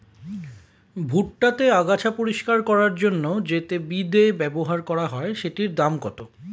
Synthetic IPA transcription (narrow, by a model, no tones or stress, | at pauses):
bʱuʈʈat̪eaɡat͡ɕʰapoɾiʃkaɾkɔɾaɾd͡ʑonːod͡ʑet̪ebid̪ebɛboɦaɾkɔɾaɦɔeʃeʈiɾd̪amkɔt̪o